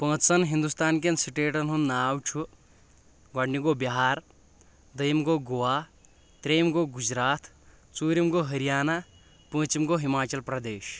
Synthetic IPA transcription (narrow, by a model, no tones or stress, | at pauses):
pə̃ːt͡sɐnɦind̪ust̪aːnk̬ensiʈeːʈɐnɦunːaːwt͡ʃʰu | ɡɐɽniɡobiɦaːɾ | d̪əjmɡoɡowa | t̪ɾeːmɡoɡud͡ʒɾaːt̪ʰ | t͡suːɾimɡoɦɐɾijaːna | pə̃ːt͡ʃimɡoɦimaːt͡ʃɐlpɾɐd̪eːʃ